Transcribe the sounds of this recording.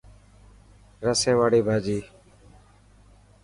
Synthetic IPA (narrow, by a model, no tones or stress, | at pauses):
ɾəsẽːʋaːɽiːbʱaːd͡ʒiː